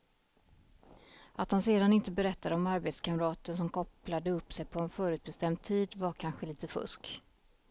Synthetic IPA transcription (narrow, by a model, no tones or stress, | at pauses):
at̪hanseːd̪anɪnt̪əbɛɾɛt̪ːad̪əɔmaɾbeːt̪skʰaməɾɑːt̪əns̬ɔmkʰɔplad̪əɵpːsɛjpʰɔɛnfœːɾʉ̟ːt̪bɛst̪ɛmd̪̚t̪ʰiːd̪vaɾkʰanɧəliːt̪əfɵ̰sk